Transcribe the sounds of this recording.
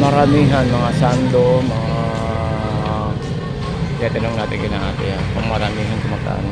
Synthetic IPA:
maɾamiɦanmaŋasand̪omaŋa | jat̪enɔŋɡat̪ekenat̪ejakəmaɾamiɦant̪əmart̪a̰n

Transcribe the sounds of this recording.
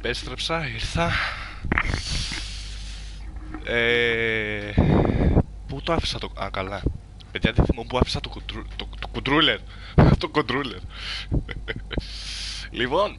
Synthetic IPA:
pest̪ɾepsɐiɾθɐ | e | put̪oɐfi̥sɐt̪o̰kɐlɐ | peðʝɐðiθimumpuɐfisɐt̪oɾt̪ot̪okud̪ɾuleɾ | t̪okond̪ɾuleɾ | lipo̞n

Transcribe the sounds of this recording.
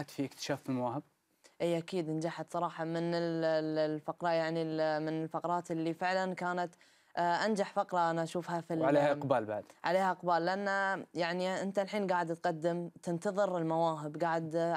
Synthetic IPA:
at̪fiʔɪkt̪ɪ̥ʃaːfilmawaːhɪb̚ | ʔiːʔakiːd̪ʔɪnd͡ʒaħat̪sˤɑɾˤɑːħɑmɪnɪllfɑqɾˤɑjaʕnilmɪnɪlfɑqɾˤɑːt̪ɪlːifɪʕlankaːnat̪ | ʔand͡ʒaħfɑqɾˤɑʔanaʔaʃuːfhafiʕaleːhaʔqbaːlba̰ʕd̪ʕaleːhaʔɪqbaːlːɪʔanːajaʕniʔɪnt̪alħiːnɡaːʕɪd̪t̪qad̪ːɪmt̪ɪnt̪ɑðˤɨɾɪlmawaːɦɪbɡaːʕɪd̪

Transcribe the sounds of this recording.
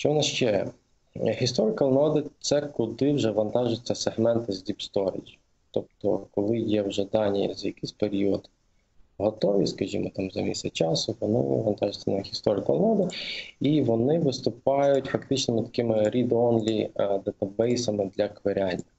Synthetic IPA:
ʃt͡ʃɔɔnɑʃt͡ʃɛ | xʲist̪ɔɾɪkɔlˠnɔd̪ɪt̪sɛkʊd̪ɪwʒɛʋɐnt̪ɑʒʊt͡sʲːɐseɦmɛnt̪ɪzʲdʲipst̪ɔɾɪ̰d͡ʒi | t̪ɔp̚t̪ɔkɔlˠɪjɛwʒɛd̪ɑnʲij̰zɐjɐkɪjsʲpeɾʲiɔd̪ | ɦɔt̪ɔʋʲḭskɐʒʲḭmɔt̪ɑmzɐmʲisʲt̪ʲɐt͡ʃɑsʊʋɔnɪ̰ʋɐnt̪ɑʒʊt͡sʲːɐnxʲist̪ɔɾɪkɐlˠnɔd̪ɪiʋɔnɪʋɪst̪ʊpɑjʊtʲfɐkt̪ɪt͡ʃnɪmɪt̪ɐ̥kɪmɪɾʲid̪ɔnlʲid̪ɐt̪ɐbɛjsɐmɪd̪lʲɐkʋeɾʲanʲːɐ

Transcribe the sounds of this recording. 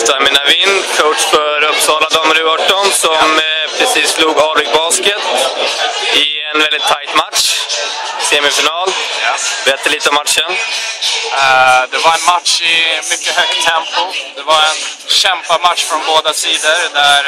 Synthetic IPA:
ft̪amɪnavɪnːkʰoʊʈʂfœɾɵpːsɑːlad̪əɔmɾʉœʈːɔnsɔmpʰɾɛsiːsːluːɡɑːvɪk̚bɑːskət̪ | ɪɛnvɛld̪ɪt̪ʰːajt̪matʂ | seːmɪfɪnɑːljbɛt̪ːəliːt̪əɔmːatʂən | d̪ɛvaɾɛnmat̪ʂɪmʏkːəɦœɡt̪ʰɛmpʊd̪ɛvaɾɛnɕɛmpamat̪ʂfɾɔnboːd̪asiːd̪əɾd̪æɾ

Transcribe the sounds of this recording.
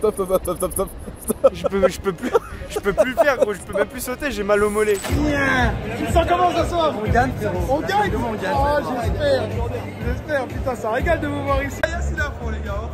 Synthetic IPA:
t̪apt̪ãt̪at̪apt̪apt̪apʒəpøʒəpøplyʒ̥əpølyfɛʁkɔ̃ʒəpømɛ̃mplysot̪eʒɛmalɔmɔleɛ̃t̪ymsɑ̃kɔmɑ̃saswaʁɔɡaɲɔ̃ɡaɲɔ̃ɡaaʒɛspɛʁ | ʒɛspɛʁ̃pit̪ãsaʁeɡald̪əvuvwaʁisijasilɛ̃foleɡa

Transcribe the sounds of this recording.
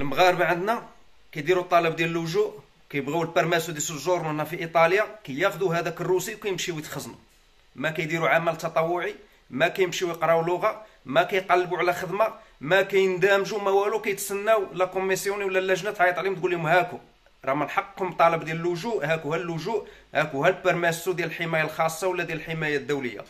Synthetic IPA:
əlməɣɑɾəbʕənd̪næ | kæjd̪iɾut̪ˤːɑləbd̪jæləlːʊʒuʔ | wkæjəbɣawəlbɑɾˤmæsud̪isəʒoɾˤmənæfiʔit̪ˤɑljakæjːæxd̪uɦæd̪ækərːusikæjəmʃiwət̪xəznu | mækæjd̪iɾuʕamælt̪ɑt̪ˤɑwːʊʕi | mækæjəmʃiwjəqɾˤɑwlːʊɣa | mækæjqɑlːbuʕlæxəd̪ma | mækæjənd̪æmʒumæwælukæjt̪sənːæwlækʊmːisjuniwəlːælːæʒnæt̪ʕajət̪ˤʕlimt̪ɡulːimhæku | ɾˤɑməlħɑqːkʊmt̪ˤɑləbd̪jæləlːʊʒuʔhækuhælːʊʒuʔhækuhælbəɾˤmæsud̪jæləlħəmæjalxɑsˤːɑwəlːæd̪jæləlħəmæjæd̪ːuwləjːa̰

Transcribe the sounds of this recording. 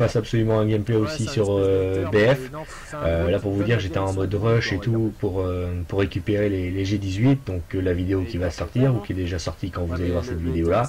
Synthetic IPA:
pasapsɔlymɑ̃ɛ̃ɡʲɛmplɛosisyʁøbeɛf | ølapuʁvud̪iʁkʒet̪ɛɑ̃mɔd̪əʁɔʃet̪upuʁøpuʁːekʲypeʁeleleʒed̪izɥit̪̚d̪ɔ̃kəlavid̪eokʲivasɔʁt̪iʁukʲiɛd̪eʒasɔʁt̪ikɑ̃vuzalevwaʁsɛt̪vid̪eola

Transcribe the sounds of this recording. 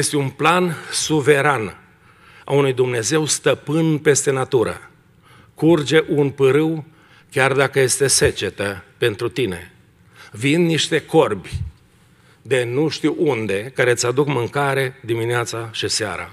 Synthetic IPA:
jest̪eunplansuve̞ɾan | a̰unujd̪umne̞ze̞wst̪əpɨnpe̞st̪e̞nat̪uɾə̰ | kurd͡ʒe̞ʔunpɨɾɨw | kʲard̪akəje̞st̪e̞se̞t͡ʃe̞t̪əpe̞nt̪ɾut̪ine̞̰ | vinniʃt̪e̞ko̞rbʲ | d̪e̞nuʃt̪iwund̪e̞kaɾe̞t̪sʲad̪ukmɨŋkaɾe̞d̪imineat̪saʃisea̰ɾa̰

